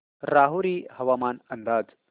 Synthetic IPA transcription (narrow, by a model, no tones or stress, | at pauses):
ɾaːɦuɾiːhɐʋaːmaːnɐnd̪aːd͡z